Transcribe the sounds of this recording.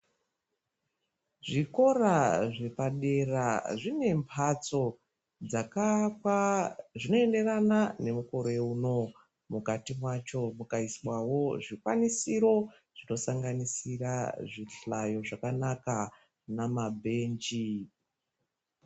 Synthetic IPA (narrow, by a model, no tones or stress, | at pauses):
ʐiko̞raʐe̞paɗe̞raʐine̞mpʰat͡so̞ | d͡zak | ʐino̞ende̞ranane̞muko̞ɾeuno̞ | mukatimwat͡ʃo̞mukaiswawo̞ʐikwa̰nisiɾo̞ | ʐ̥ino̞saŋɡanisiraʐiɬajo̞ʐakanaka | namabʱe̞ːnd͡ʒi